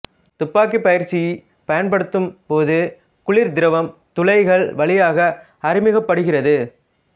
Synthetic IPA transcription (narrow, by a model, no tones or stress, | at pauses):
t̪ʊpːaːk̬ːipɐjɪɾt͡ʃːɪj | pɐjɐnpɐɽɯt̪ːɯmpoːðɯ | kʊɭɪɾd̪ɪɾɐʋɐmt̪ʊlɐɪɣɐɭʋɐɭɪjaːɣɐ | ɐɾɪmɪɣɐpːɐɽɯɣɪrɐðɯ